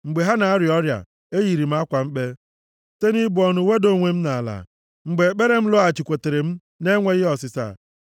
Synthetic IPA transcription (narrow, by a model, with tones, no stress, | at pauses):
ŋ͡m̩˨ɡ͡be˨ɦa˦na˨a˦ɾɪ˨ɔ˦ɾja̰˨ | e˦ji˨ɾi˨m̩˦a˦kʷa˨ŋ͡m̩˦k͡pe˦ | te˦ni˦bʊ˨˦ɔ˨nʊ˨we˦do˦˨ŋʷe˨m̩˦na˨la̰˨ | ŋ͡m̩˨ɡ͡be˨k͡pe˦ɾe˦m̩˦lʊ˦a˨t͡ʃi˨kʷo˨te˨ɾe˨m̩˦ | ne˦ŋʷe˦ɣɪ˦ɔ˨sɪ˨sa̰˦˨